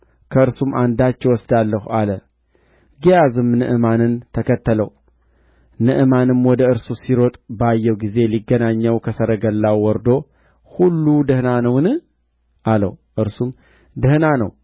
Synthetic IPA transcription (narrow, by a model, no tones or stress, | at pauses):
kʰəɨɾsumʔand̪at͡ʃːɛwɔsd̪alːəhualə | ɡijazɨmnɨʔɨmanɨnt̪ʰəkʰət̪ʰːələw | nɨʔɨmanɨmwɔd̪əɨɾsusiɾot̪ʼbajːɛwɡize̞liɡːənaɲːəwkʰəsəɾəɡəlːawːɔɾd̪o̞ | hulːud̪ɨhnanəwnɨ | ʔalə̰wʔɨɾsum | d̪ɨhnanə̰w